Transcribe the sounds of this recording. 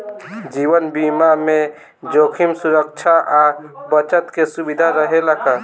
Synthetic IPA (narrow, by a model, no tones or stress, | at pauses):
d͡ʒiwənbimame | d͡ʒokʰimsuɾək̚t͡ʃʰaʔabət͡ʃət̪kesubid̪ʱaɾəɦelaka